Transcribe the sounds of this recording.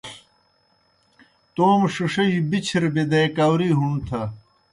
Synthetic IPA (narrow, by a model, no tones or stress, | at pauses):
t̪oːmʂuʂɐibit͡ɕʰiɾbed̪ɐjkaːwɾiːɦunt̪ʰɐ